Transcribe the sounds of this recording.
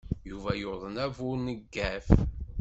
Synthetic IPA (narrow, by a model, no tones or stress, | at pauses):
juvæjoɾðˤənævʊɾnəɡːæf